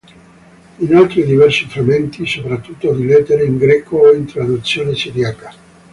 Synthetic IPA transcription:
inalt̪ɾid̪ivɛrsifɾamːent̪isopɾat̪ːut̪ːod̪ilɛt̪ːeɾeiŋɡɾɛːkoint̪ɾad̪ut̪sːjoːnesiɾjaːka

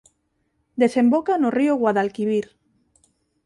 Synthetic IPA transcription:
d̪esembokanorioɣwaðalkiβiɾ

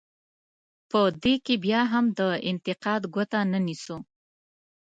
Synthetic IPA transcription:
pəd̪ekebjɑɦamd̪əɪnt̪ɪqɑd̪ɡwət̪anənisu

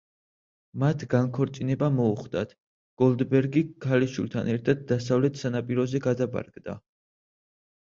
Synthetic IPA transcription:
mat̪ʰɡankʰɔɾt̪sʼinɛbamɔuχd̪at̪ʰ | ɡ̥ɔlˠd̪bɛɾɡikʰaliʃṵlt̪ʰa̰nɛɾt̪ʰad̪̚ːasavlɛt̪ʰsanapʼiɾɔzɛɡad̪aba̰ɾɡd̪a̰

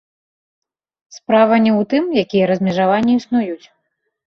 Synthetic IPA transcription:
spɾavɐnʲɛwt̪ɨmjakʲijɐɾɐzʲmʲɛʐavanʲːɛisnujut͡sʲ

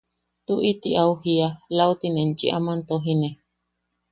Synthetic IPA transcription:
t̪uʔit̪iauhialaut̪inẽnt͡ʃḭʔamant̪oɦine

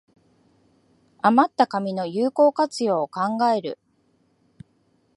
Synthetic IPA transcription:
amat̪ːakamʲino̞jɯːko̞ːkat͡sɨjo̞ːkãŋɡae̞ɾɯ̟̰

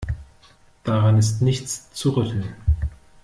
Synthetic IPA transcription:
d̥aʁanɪstnɪçt͡st͡suʁʏtʰl̩n

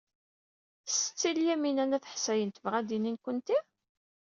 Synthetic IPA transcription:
sə̥t͡sːiljæminænæθə̥ħsæjənt̪əvʁæd̪ininkʷənt̪i

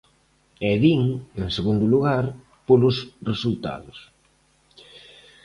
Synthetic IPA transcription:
ɛðiŋeŋseɣund̪ʊluɣaɾ | polʊsresult̪a̰ðʊs

